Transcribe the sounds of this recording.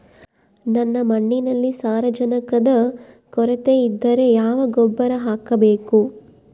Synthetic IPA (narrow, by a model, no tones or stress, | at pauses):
nɐnːɐmɐɳːinɐlːisaːɾɐd͡ʒɐnɐkɐd̪ɐ | kɔɾɐt̪eid̪ːɐɾe̞jaːʋɐɡɔbːɐɾɐɦaːkɐbeːku